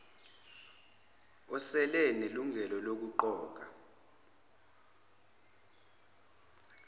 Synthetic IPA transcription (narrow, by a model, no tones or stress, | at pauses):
ɔsɛlɛneluŋʱɛlɔlok̬uǃɔːk̬a